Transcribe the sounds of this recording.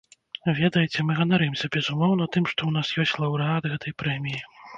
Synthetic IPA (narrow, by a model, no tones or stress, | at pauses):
vʲɛd̪ɐjɛt͡sʲɛmɨɣɐnaɾɨmsʲɐbʲɛzumɔwnɐt̪ɨmʂt̪ɔwnasjɔsʲt͡sʲlˠɐwɾɨad̪ɣɛt̪ʰɐjpɾɛmʲiji